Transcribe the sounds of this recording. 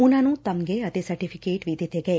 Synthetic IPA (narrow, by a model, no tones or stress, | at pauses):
unanũːt̪ɐmɡeɐt̪esɐɾʈifʰikeːʈʋid̪ʱet̪eɡɐ